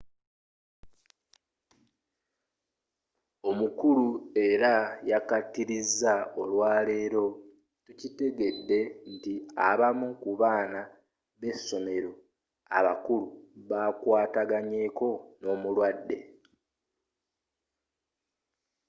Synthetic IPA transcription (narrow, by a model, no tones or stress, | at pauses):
o̞mukulue̞ɾajakatːiɾizːaolwaːle̞ːɾo̞ | tucite̞ɡe̞dːe̞n̩tia̰βamukuβaːna | βe̞sːo̞me̞ɾo̞ | a̰βa̰kuluβakwaːtaɡaɲe̞ːko̞no̞ːmulwadːe̞̰